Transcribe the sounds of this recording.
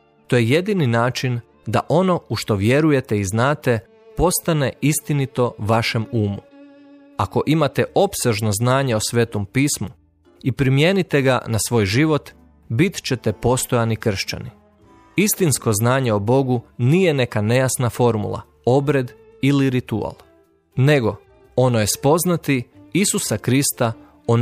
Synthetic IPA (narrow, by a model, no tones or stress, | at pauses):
t̪oːjeje̞d̪ininaːt͡ʃin | d̪a̰ʔo̞no̞uʃt̪o̞ʋje̞ɾuje̞t̪e̞iznaːt̪e̞ | po̞st̪ane̞ist̪init̪o̞ʋaʃe̞muːmu | ako̞ʔimat̪e̞ʔo̞pse̞ʒno̞znaːɲeosʋeːt̪o̞mpiːsmu | ipɾimje̞ːnit̪e̞ɡa̰nasʋo̞ːjʒiʋo̞t̪ | bit̪t͡ɕe̞t̪e̞po̞st̪ojanikr̩ʃt͡ɕa̰ni | ist̪insko̞znaːɲe̞obo̞ɡuniːje̞ne̞kane̞jasnafo̞ɾmṵlˠa̰ | o̞bɾe̞d̪ | iliɾit̪ua̰lˠ | ne̞ɡo̞ | o̞noje̞spo̞znat̪iisusakɾist̪a | o